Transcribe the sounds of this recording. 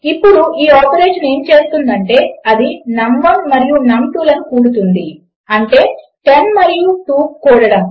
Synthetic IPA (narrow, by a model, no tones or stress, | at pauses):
ipːuɽuʔiːɔːpeɾe̞ːʂɐne̞ːmt͡ʃe̞ːst̪und̪ɐɳʈe̞ːɐd̪inɐmʋɐnmɐɾijunɐmʈuːlɐnukuːɽut̪und̪i | ɐɳʈe̞ː | ʈenmɐɾijuʈuːkuːɽɐɽɐm